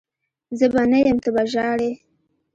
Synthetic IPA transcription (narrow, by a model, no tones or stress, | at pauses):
zəbanəjəmt̪əbaʒɑɽe